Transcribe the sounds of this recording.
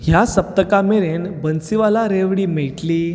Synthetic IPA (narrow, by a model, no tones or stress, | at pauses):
ɦjasəp̚t̪əkameɾenbənsiʋalaɾeʋɽiːmeɭʈliː